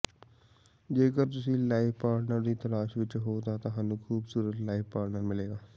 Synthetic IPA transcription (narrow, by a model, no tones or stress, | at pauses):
d͡ʒeːkəɾt̪ʊsĩːlaːifpaːɾnəɾd̪iːt̪əlaːʃʋɪt͡ʃɦoːt̪aːt̪ãɦãːnũːkʰuːbsuːɾət̪laːippaːɾnəɾmɪleːɡaː